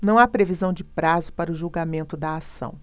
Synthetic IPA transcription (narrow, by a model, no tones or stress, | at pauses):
nɐ̃w̃apɾevizɐ̃w̃d͡ʒɪpɾazʊpaɾɐʊʒuwɡamẽnt̪ʊd̪ɐasɐ̰̃w̃